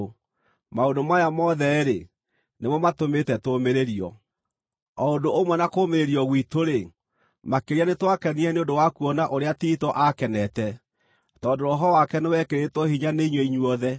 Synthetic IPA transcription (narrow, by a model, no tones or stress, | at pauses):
maondomajamɔðɛɾe | nemɔmatometɛtomeɾeɾiɔ̰ | ɔondoomwɛnakoːmeɾeɾiɔɣwitoɾe | makeɾianetwakɛniɛneondowakuɔnaʔoɾeatitɔʔakɛnɛtɛ | tɔːndoɾɔɦɔwakɛnewɛkeɾetwɔhiɲaneiɲwɛiɲuɔðɛ